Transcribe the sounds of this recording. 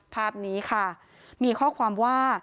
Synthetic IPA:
pʰaː˥˩p̚niː˦˥kʰa˥˩ | miː˧kʰɔː˥˩kʰwaː˧mwaː˥˩

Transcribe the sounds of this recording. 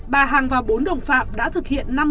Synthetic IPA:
ɓaː˨˩ɦaː˨˩ŋvaː˨˩wɓo˨˦nɗə̰˧˨wŋ͡mfa̰ː˧˨˩p̚ɗa̰ː˧˥t̪ʰɨ˨˩k̚hḭ˧˨ənːa˧m

